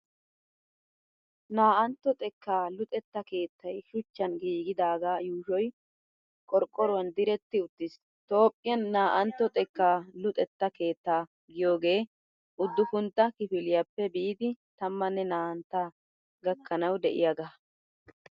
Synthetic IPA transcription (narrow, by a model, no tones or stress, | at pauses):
naːʔɐnt̪ːɔt̪ʼɛkːaːlʊt̪ʼɛt̪ːɐke̞ːt̪ʰːɐjʃʊt͡ʃːɐnɡiːɡɪd̪aːɡaːjuːʃɔj | kʼɔɾkʼːɔɾʊwɐnd̪ɪɾɛt̪ːɪʊt̪ːɪs | t̪o̞ːpʼːɪjɐnːaːʔɐnt̪ːɔt̪ʼɛkːaːlʊt̪ʼɛt̪ːɐke̞ːt̪ːaː | ɡɪjo̞ːɡe̞ː | ʔʊd̪ːʊkʊnt̪ːɐkɪfɪlɪjɐpːɛbiːd̪ɪt̪ɐmːɐnːɛnaːʔɐnt̪ːa | ɡɐkːɐnɐwd̪ɛʔɪ̰jaɡɐ